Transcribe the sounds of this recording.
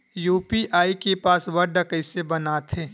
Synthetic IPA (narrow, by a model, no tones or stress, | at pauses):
juːpiʔaːikepaːsʋɐɾɖɐkəisebɐnaːt̪ʰẽː